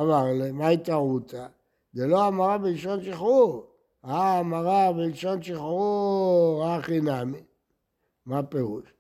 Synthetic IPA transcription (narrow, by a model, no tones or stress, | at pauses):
avaʁlemait̪aʁut͡sa | deloamaʁabilʃonʃiχu | aːmaʁabilʃonʃiχu | aχinami | mapeʁuʃ